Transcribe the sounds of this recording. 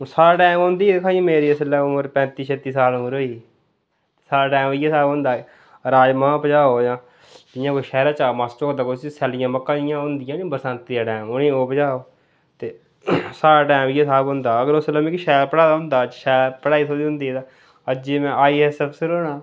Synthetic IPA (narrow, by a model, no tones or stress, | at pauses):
saːʈaːmõːnd̪iːd̪kʰãːĩmeːɾiːəslɛːʊməɾpɛ̃ːnt̪iːʃʰeːt̪iːsaːlomɾoːiː | t̪ːsaːɾaːʈaːmijaːsaːbɦʊ̃nd̪aː | ɾaːd͡ʒmãːpəd͡ʒaːoːjãː | d̪ɪjãːkoiʃɛːɾaːt͡ʃaːmaːst͡ʃokd̪aːkosisɛːlɪjãːməkːãːɪjãːɦʊ̃nd̪ɪjãːniːbəɾsãnt̪ːãːʈaːmʊnĩːoːpəd͡ʒaːoː | t̪eː | saːɾaːʈaːmɪjaːsaːbɦʊ̃nd̪aːəɡəɾosləmɪkːʃɛːɾpəɽaːd̪aːɦʊ̃nd̪aːt͡ʃʃɛːɾpəɽaːiːt̪ʰoːd̪iːɦʊ̃nd̪iːaː | əd͡ʒeːmɛ̃ːʔaːiːɦɛːsəbsɪɾoːnaː